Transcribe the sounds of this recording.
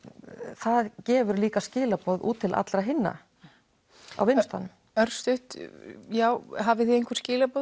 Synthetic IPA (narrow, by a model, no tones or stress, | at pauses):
θaðcɛːvʏɾliːkascɪːlapɔðṵːt̪ʰːɪlʔa̰t̪lɾaɦɪnːa̰ | a̰wvɪnst̪a̰nʏm | œɾ̥st̪ʏht̪jaːwɦavɪθiejŋkʰɛ̥ɾscɪːlapɔð